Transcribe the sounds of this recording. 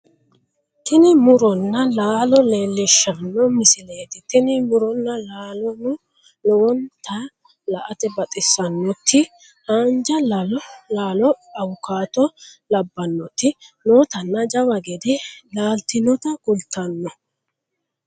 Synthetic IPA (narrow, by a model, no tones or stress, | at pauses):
t̪ɪnɪmʊɾɔnːɐlaːlɔle̞ːlːɪʃːɐnːɔmɪsɪleːt̪ɪt̪ɪnɪmʊɾɔnːɐlaːlɔnʊ | lɔwɔnt̪ʰɐ | lɐʔɐt̪ɛbɐt̪ʼɪsːɐnːɔt̪ʰːɪ | haːnd͡ʒɐllaːlɔɐwʊkaːt̪ɔlɐbːɐnːɔt̪ːɪnoːt̪ɐnːɐd͡ʒɐwɐɡɛd̪ɛlaːlt̪ɪnɔt̪ɐɡʊlt̪ːɐnːɔ